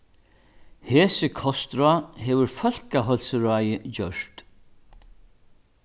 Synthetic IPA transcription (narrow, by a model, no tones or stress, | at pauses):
hɛːsɪkʰɔst̪ɾaɦɛːʋʏɾfœl̥kaɦɔlsəɾaːjət͡ɕœʂt̪